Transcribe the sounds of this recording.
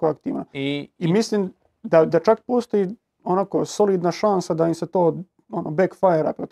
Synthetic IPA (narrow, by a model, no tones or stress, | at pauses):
koakt̪ḭːʋnaimisliːm | d̪ad̪at͡ʃakpost̪oji | onakosoliːd̪naʃansad̪aimset̪oː | onobekfajeɾa̰pɾot̪